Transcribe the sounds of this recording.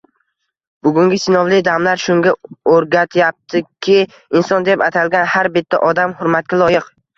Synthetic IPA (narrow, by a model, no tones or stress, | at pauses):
b̥ʊɡʊŋɡʲɪsɪnɒwlɪd̪amlaɾʃʊŋɡʲaoɾɡʲat̪ʰjap̚t̪ʰɪkʲʰɪ | ɪnsɒnd̪e̞pat̪ʰalɡʲanhaɾbɪt̪ʰːa̰ʔɒd̪amhʊɾmat̪̚kʲalˠɒjɪq